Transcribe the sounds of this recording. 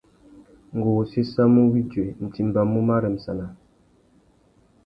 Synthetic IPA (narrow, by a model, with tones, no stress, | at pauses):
ŋ˨ɡo˨si˦sa˦mu˦wi˦d͡ʒwe˨n̩˨ti˨m˨ba˨mu˦ma˦ɾə˨m̩˨sa˨na˨